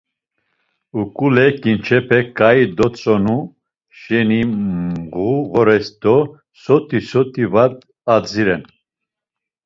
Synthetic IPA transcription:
ukʼulɛkʼint͡ʃʰɛpʰɛkʰʼaid̪ɔt͡sʼɔnu | ʃɛniʁuɣɔɾɛsd̪ɔ | sɔt̪ʼisɔt̪ʰʼivad̪̚ | ad͡ziɾɛn

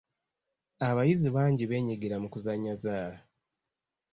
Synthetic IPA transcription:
aβajiziβaːɲɟiβe̞ːɲiɡeɾamukuzaɲːazaːla

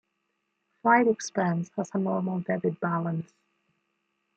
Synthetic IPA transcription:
flaɪɾɪkspɜːnz̥həz̥ənɔːməlˠdɛbɪd̚balə̃ns

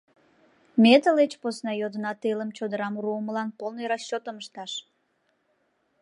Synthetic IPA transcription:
mʲet̪əlet͡ɕposnɑjod̪ənɑt̪eləmt͡ɕod̪əɾɑmuɾuəməlɑnpolnojɾɑɕt͡ɕːot̪əməʃt̪ɑʃ

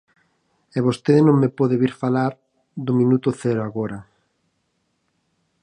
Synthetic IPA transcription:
ɛβost̪eðnõŋmepɔðeβiɾfalaɾ | d̪ʊmĩnut̪ʊθɛɾʊaɣoɾa

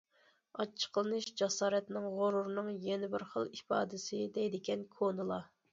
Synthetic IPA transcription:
ɑt͡ʃʰːə̥qʰəlˠɨnɨʃd͡ʒɑsɑːɾɛt̪nɪŋʁoɾuɾnɨŋjɛnɪbɪɾχəlˠipɑ̰ːd̪ɪsɪd̪ɛjd̪ɪɡʲɛnkʰonɨlˠɑ

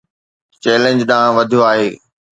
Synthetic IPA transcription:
t͡ɕɛːlẽɲd͡ʑɗãːʋɐd̪ʱijoaːɦeː

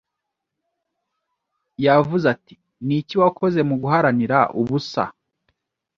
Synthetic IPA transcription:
javuzati̥ | niciwakʰo̞ze̞muɡuɦaɾaniɾaʔuβusa̰

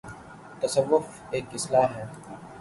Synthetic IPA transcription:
t̪ɐsəʋːʊf | eːkɪslaːɦɛː

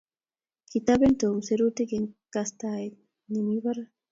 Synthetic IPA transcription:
kit̪abent̪omseɾut̪ekeŋkast̪ae | nimiβaɾa

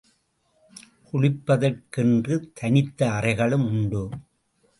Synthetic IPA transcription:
kʊɻɪpːɐðɐrkɛndrɯt̪ʰɐnɪt̪ːɐːrɐɪɣɐɭɯmʊɳɖɯ

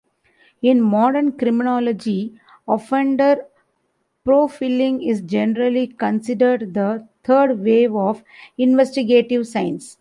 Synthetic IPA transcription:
ɪ̃nmɔːɖəɾnkɾɪmɪnɔːləd͡ʒi | ɔfẽɳɖəɾ | pɾoːfiːlɪ̃ŋɪzd͡ʒɛnəɾəlikə̃nsɪɖəɾɖd̪ət̪ʰəːɾɖʋeːʋɔːf | ɪ̃nʋesʈiɡeːʈiʋsãɪ̃ns

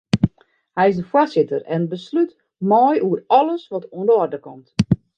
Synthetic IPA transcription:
hɛjɪsdəfosɪtərɛnbəslyt | mɔjuərɔləsʋɔtuəndəɔrdəkɔmt

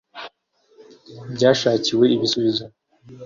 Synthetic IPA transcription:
bɟaːʃaːciwe̞iβisuβizo

